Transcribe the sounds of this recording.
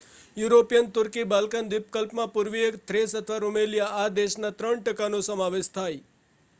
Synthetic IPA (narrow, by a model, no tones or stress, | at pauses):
juɾopijənt̪ʊɾkibalkand̪ipkəlpmãpuɾʋiekt̪ʰɾesət̪ʰəʋaɾumelijaːd̪eʃnat̪ɾəɳʈəkanũsəmaʋeʃt̪ʰaj